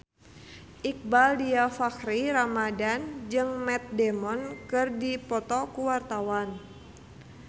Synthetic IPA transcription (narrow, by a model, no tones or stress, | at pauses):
ʔik̚baldiafakɾiɾamadand͡ʒɨŋmɛt̪̚dɛmɔnkɨrdipɔt̪ɔkuwart̪awan